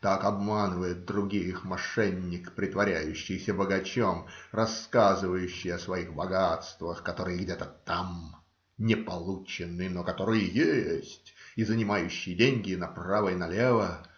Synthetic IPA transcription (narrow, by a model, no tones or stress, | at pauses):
t̪akɐbmanɨvəjɪt̪̚d̪ɾʊɡʲijxmɐʂɛnʲːɪkpɾʲɪt̪vɐɾʲæjʉɕːɪjsʲəbəɡɐt͡ɕomrɐskazɨvəjʉɕːɪjɐsvɐixbɐɡat̪st̪vəxkɐt̪o̞ɾɨjəɡdʲet̪ət̪am | nʲɪpɐlˠut͡ɕɪnːɨnokɐt̪o̞ɾɨjəjesʲtʲɪzənʲɪmajʉɕːɪjɪdʲenʲɡʲɪnɐpravəjɪnɐlʲevə